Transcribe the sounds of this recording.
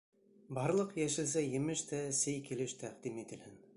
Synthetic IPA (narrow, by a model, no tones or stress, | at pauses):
bɑɾlˠɤqjæʃɘ̆ls̬æjɘ̆mɘʃt̪æsɘjkilɘʃt̪ʰæqd̪imit̪ɘ̆lhɘn